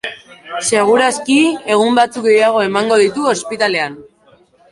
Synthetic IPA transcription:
se̞ɣ̞uɾaskie̞ɣ̞umbat͡suk̚ɡe̞jaɣ̞o̞e̞maŋɡo̞ðit̪uo̞spit̪ale̞an

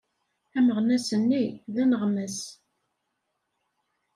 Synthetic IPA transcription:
æməʁnæsənːiðænəʁməs

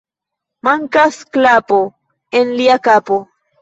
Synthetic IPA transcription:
maŋkasklapo | enliakapo̞

